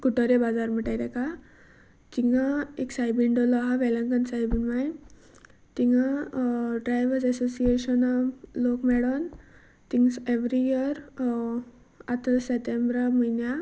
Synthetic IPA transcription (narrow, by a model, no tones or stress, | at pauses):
kuʈɔɾebad͡zaɾm̤əʈajt̪ɛka | t̪iŋaeksajbiɳɖɔlɔɦaʋɛlə̃ŋkənsajbinmaj | t̪iŋɡa | ɖɾajʋəɾsɛsosieɕənalokmɛɽɔn | t̪iŋseʋɾijiəɾ | at̪aseʈ̪embɾaməjnja